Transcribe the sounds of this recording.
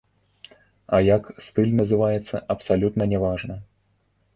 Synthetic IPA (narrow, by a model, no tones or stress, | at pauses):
ɐjakst̪ɨlʲnɐzɨvajɛt̪sːɐʔɐpsalʲut̪nɐnʲɛvaʐnɐ